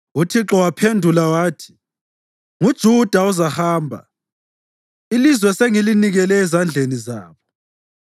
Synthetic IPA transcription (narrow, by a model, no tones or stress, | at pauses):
utʰiǁɔwapʰendʱulawaːtʰi̥ | ŋud̥ʒ̥ʱud̥ʱauzahaːmbʱa̰ | ilizwɛseŋiliniɣɛlɛːzand͡ɮʱenizaːβɔ